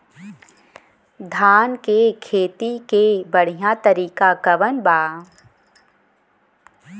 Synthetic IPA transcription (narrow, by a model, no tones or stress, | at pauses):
d̪ʱaːnkekʰeːt̪ikebəɽ̤ijãt̪əɾiːkakɐʋənbaː